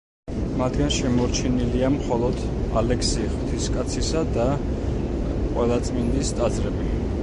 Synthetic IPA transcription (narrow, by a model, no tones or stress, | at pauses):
mat̪ʰɡanʃɛmɔɾt͡ʃʰɛniliamχɔlˠɔd̪ | a̰lɛksiχw̥t̪ʰiskʼat̪sʰisad̪a | qʼwɛlˠat̪sʼmind̪ist̪ʼad̪zɾɛbi